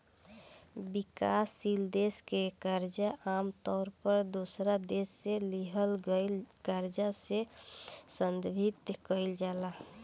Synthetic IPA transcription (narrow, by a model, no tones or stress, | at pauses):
bikasild̪eskekaɾd͡ʒaʔamt̪ɔːɾpəɾd̪osɾad̪esːeliɦəlɡəɪlkaɾd͡ʒase | sənd̪bʱit̪kəɪld͡ʒala